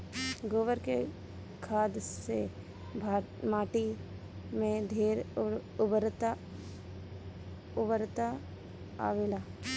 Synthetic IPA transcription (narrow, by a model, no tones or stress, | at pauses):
ɡoːʋəɾkḛ | kʰaːd̪se | maːʈi | mẽd̪ʱeːɾbɾt̪ | ʊbəɾt̪a | a̰ːʋelaː